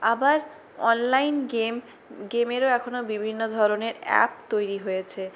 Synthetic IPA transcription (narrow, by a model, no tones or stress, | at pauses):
abaɾ | ɔ̰nlajnɡem | ɡemeɾoɛkʰonobibʱinːod̪ʱɔɾoneɾɛ̰p̚t̪ojɾiɦojet͡ɕʰe